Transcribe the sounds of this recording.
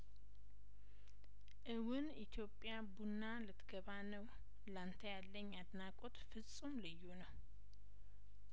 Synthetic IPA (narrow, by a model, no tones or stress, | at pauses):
ʔɨwʊnit̪ʰjo̞pʼːjabunːalɨt̪ʰɡ̥əβanəw | lant̪ʰəjalːəɲːad̪nakʼot̪fɨsʼumlɨjːunəw